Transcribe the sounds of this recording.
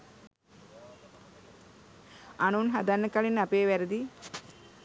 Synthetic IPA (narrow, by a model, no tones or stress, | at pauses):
anunɦad̪anːəkaɭinːapeːʋæɾəd̪i